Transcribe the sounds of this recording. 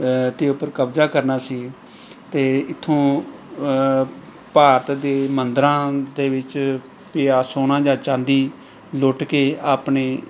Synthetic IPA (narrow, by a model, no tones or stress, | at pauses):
t̪eːʊpːəɾkəbzaːkəɾnaːsiː | t̪eːɪt̪ʰːõː | paːɾt̪d̪eːmənd̪ɾãːd̪eːʋɪt͡ʃ | pɪjaːsoːnãːd͡ʒãːt͡ʃãːnd̪iː | lʊʈkeːaːpneː